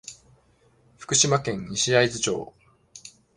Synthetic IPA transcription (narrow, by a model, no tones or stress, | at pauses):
ɸɯ̥kɯ̟ɕimakẽ̞ɲɲiɕiaizɨt͡ɕo̞̰ː